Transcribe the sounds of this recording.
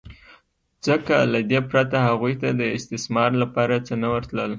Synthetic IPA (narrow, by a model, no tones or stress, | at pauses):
zəkalad̪epɾat̪ahaɣujt̪ad̪əɪst̪ɪsmɑɾlapɑɾat͡sənawəɾt̪ləl